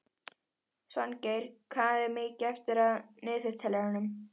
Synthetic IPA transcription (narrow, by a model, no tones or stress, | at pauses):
svancejɾ̥kʰvaːðɛɾmɪːcɛft̪ɪɾaðnɪːðθest̪ʰɛlɛɣanʏm